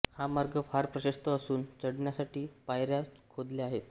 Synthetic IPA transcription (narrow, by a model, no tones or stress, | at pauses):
hamaɾɡəfaɾpɾəɕəst̪əːsuːnt͡səɽɳjasaʈiːpajɾjakʰod̪leaɦet̪